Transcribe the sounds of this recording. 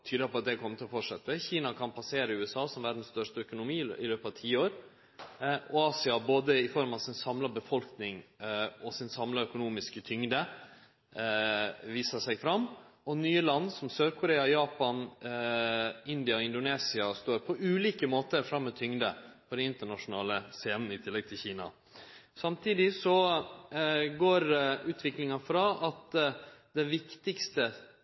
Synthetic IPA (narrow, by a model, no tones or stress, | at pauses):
t̪ʰyːd̪əpɔɑt̪̚d̪ɛkʰɔmːət̪ɪɔfɔʈʂɛt̪ːəçiːnɑkʰɑnpʰɑseːɾəʉːɛsɑːsɔmʋæɖ̪n̩st̪œʂtəœkʊnʊmiːɪløːpɑʋt̪ʰiːoːɾ | ɔɑːsɪɑboːd̪əɪfɔɾmɑʋsɪnsɑmlɑbəfɔlknɪŋɔsɪnsɑmlɑœkʊnuːmɪskət̪ʰʏŋd̪ə | ʋiːsəʂæɪɡfɾɑmː | ɔnyːəlɑnːsɔmsøːɾkʰʊɾeːɑjɑːpɑn | ɪnd̪ɪɑɔɪnd̪ʊneːsɪɑst̪oːɾpʰɔʔʉːliːkəmoːt̪əɾfɾɑmːɔt̪ʰʏŋd̪əpʰɔd̪ɛnɪnt̪əɳɑʂʊnɑ̰ːləseːnn̩ɪt̪ʰɪlːɛɡ̚t̪ʰɪlçiːnɑ̰ | sɑmt̪ʰiːd̪ɪsɔ | ɡoːɾʉːt̪ʰʋɪklɪŋɑfɾɑɑt̪d̪ɛʋɪkt̪ɪkst̪ə